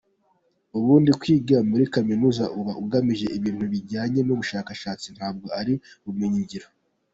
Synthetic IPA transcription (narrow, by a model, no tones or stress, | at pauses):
uβuːndikwiːɡiɾamuɾikaminuːzaʔuβaʔuɡamiʒe̞ʔiβiːn̥huβiɾɟaːɲe̞nuβuʃaːkaʃaːt͡sin̥haːb̚ɡo̞aɾi | ummeɲiɲɟiɾo